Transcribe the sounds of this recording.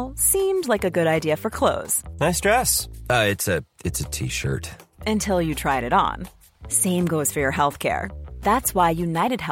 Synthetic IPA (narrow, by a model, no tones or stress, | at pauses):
lˠsĩmdlaɪkɨɡʊɾaɪdiɨfə˞kʰl̥oʊz̥naɪstɹ̥ɛsʌɪtsɨɨtsɨtʰḭʃə̰˞tɨ̃ntʰɪlˠjɨtʰɹ̥aɪɾɨɾn̩ | sẽɪ̃mɡoʊz̥fə˞jə˞ɦɛlˠθkʰɛ̰ɹðætswaɪjʉnaɪɾɨd̚ɦɛ